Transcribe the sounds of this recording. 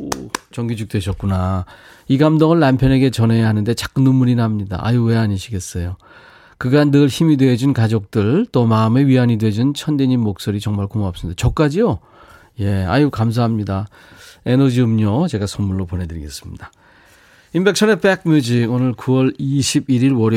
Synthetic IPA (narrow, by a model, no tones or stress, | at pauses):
ot͡ɕʌŋɡid͡ʑuk̚t͈weɕʰʌt̚k͈una | iɡamdoŋɯɭːampʰjʌne̞ɡe̞t͡ɕʌne̞jaɦanɯnde̞t͡ɕak̚ɯnumuɾinamɲida̰ʔa̰juwe̞aɲiɕʰiɡe̞s͈ʌjo | kɯɡanːɯɭçimidwe̞d͡ʑunkad͡ʑok̚t͈ɯɭt͈omaɯme̞ɥiɦaɲidwe̞d͡ʑunt͡ɕʰʌndeɲimːok̚s͈oɾit͡ɕʌŋmaɭkomoap̚s͈ɯmid̪at͡ɕʌk̚k͈ad͡ʑijo | je̞a̰jukams̬ʰaɦamɲida | e̞nʌd͡ʑiɯmɲot͡ɕe̞ɡasʰonmuɭːopone̞dɯɾiɡe̞̰s͈ɯ̥mɲida | imbe̞kt͡ɕʰʌne̞pek̚mjud͡ʑiɡonɯɭkuwʌɭiɕʰibiɾiɭwʌɾ